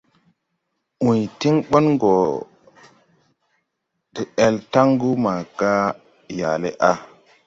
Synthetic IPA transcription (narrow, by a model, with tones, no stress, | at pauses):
ũ˨jti˦ŋɓo˦nɡo˨ | di˨e˨lta˦ŋɡu˦ma˨ka˦ | ja̰˨le˦ʔa˦